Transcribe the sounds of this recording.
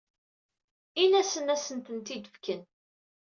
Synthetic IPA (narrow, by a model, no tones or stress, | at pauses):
inæsənæsənt̪ənt̪id̪əfkən